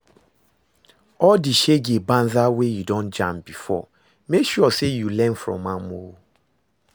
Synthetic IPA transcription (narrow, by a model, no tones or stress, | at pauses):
ɔdiʃeɡebãnzawejudɔ̃nd͡ʒãmbifɔ̰ | mekʃuɔsejulɛ̃nfɹɔ̰̃mːãmo